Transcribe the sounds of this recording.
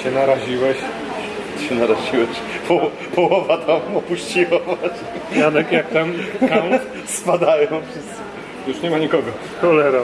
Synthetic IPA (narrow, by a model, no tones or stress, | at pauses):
t͡ɕɛnaɾaʑiwɛɕ | ɕɛnaɾaʑiwɛɕ | pʰɔwɔ | pʰɔwɔvat̪ʰamɔpuɕt͡ɕiwɔvat͡ɕ | jad̪ɛkjak̚t̪amkaw̪ | spad̪ajɔ̃w̃fʂɨst̪sɨ | juʂɲɛmaɲikɔɡɔ | kɔlɛɾa